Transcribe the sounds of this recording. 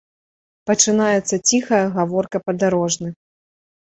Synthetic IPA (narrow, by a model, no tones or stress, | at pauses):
pɐt͡ʂɨnajɛt̪sːɐt͡sʲixɐjɐɣavɔrkɐpɐd̪aɾɔʐnɨ